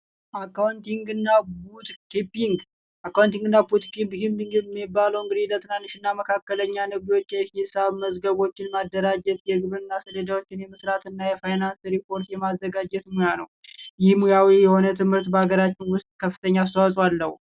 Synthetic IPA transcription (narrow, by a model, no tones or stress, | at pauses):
ʔakːawnt̪iŋɡɨnːabut̪kipːiŋɡ | ʔakːawnt̪iŋɡɨnːabut̪kipːkimpːiŋɡɨmibːaləwɨŋɡɨd̪ilət̪ɨnanːiʃɨnːaməkʰakːələɲːanɨβiwo̞t͡ʃːjɛisaβməzɡəβo̞t͡ʃːɪnmad̪ːəɾad͡ʒɛt̪jɛɡɨβɨnːasəled̪awo̞t͡ʃːɪnjɛmɨsɾat̪ɨnːajɛfajnansɾipʰo̞ɾt̪jɛmazːəɡad͡ʒɛt̪mujanəwjɪhmujawijɛho̞nət̪ʰɨmhɨɾt̪bəaɡəɾat͡ʃːɪnwʊst̪ʼkʰəfːɨt̪ʰəɲːaːs̬t̪ʰəwasʼwalːəhṵ